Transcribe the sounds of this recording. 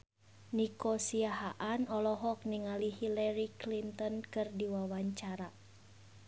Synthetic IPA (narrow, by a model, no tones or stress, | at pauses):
nikɔsiaɦaʔanɔlɔɦɔk̚niŋalihilɛɾiklint̪ɔnkɨrdiwawaɲt͡ʃaɾa